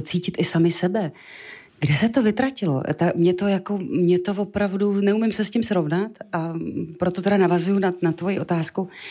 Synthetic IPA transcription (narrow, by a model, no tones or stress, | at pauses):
t͡siːcɪt̪ɪsamɪsɛbɛ | ɡdɛsɛt̪o̞vɪt̪ɾacɪlo̞̰t̪amɲɛt̪o̞jako̞mɲɛt̪o̞vo̞pɾavdunɛumɪmsɛscɪmsɾo̞vnat̪ʔapɾo̞t̪oɛɾanavazujunanat̪vo̞jiʔo̞t̪aːsku